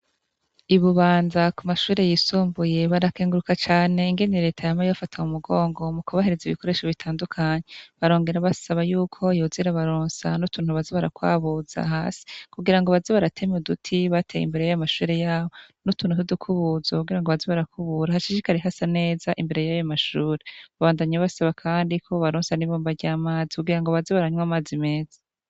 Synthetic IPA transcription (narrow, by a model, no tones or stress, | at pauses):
iβuβaːnzakumaʃuːɾe̞jisuːmbuje̞βaɾakeːŋɡuɾukat͡ʃaːne̞iŋɡe̞niɾe̞ːtʰajamajofatʰaumuɡo̞ːŋɡo̞mukuβaɦe̞ɾeziβiko̞ɾe̞ːʃoβitʰaːndukʰaɲeβaɾo̞ːŋɡe̞ɾaβasaβajuːkʰo̞joːziɾaβaɾoːnsanutʰuːn̥huβaziβaɾakwa̰ːβuz̥a̰ɦaːsi̥kuɡiɾaŋɡoβaziβaɾatʰe̞mudutʰiβatʰejḭmbe̞ɾejajamaʃuːɾejaːβo̞nutuːnhutudukʰuβuzokuɡiɾaŋɡoβaziβaɾakʰuβuɾahaʃiʃikaɾiɦasane̞ːzaʔimbe̞ɾe̞jajamaʃuːɾeβaβaːndaɲaβasaβakʰaːndikʰo̞βaɾoːnsaniβoːmbaɾɟaːmaːzikuɡiɾaŋɡoβaziβaɾaɲwamaːzime̞ːzḁ